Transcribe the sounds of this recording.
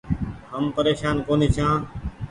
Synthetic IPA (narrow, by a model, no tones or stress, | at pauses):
ɦəmpəɾeːʃaːnkoːneːt͡ʃʰãː